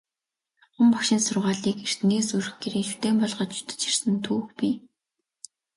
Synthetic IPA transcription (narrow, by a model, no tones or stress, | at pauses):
χʊ̆mpɔkʃɪ̆nsʊrʁaːɮiːker̥t̪̆ŋɡeːsurɘ̆xɡeɾeːʃu̥t̪eːmpɔɮʁɞ̆t͡ɕt͡ɕu̥t̪ɘ̥̆t͡ɕir̥sɘ̆nt̪ʰuːxpi